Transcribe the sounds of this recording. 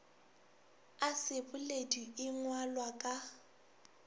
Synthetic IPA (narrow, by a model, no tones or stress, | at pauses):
asɪpʼʊlediɪŋwalwakʼa